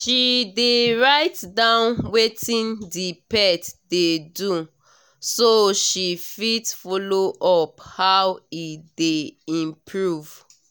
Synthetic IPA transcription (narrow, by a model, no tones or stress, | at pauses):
ʃideɹaɪtdãnwetĩndipɛtdedu | soʃifitfɔloʔɔphawideĩmpʰɹuv̥